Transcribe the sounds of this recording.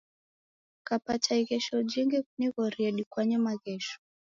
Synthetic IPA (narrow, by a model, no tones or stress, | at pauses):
kapatʰaiɣɛʃɔud͡ʒiŋɡɛkuniɣɔɾiɛɗikwaɲɛmaɣɛʃɔ̥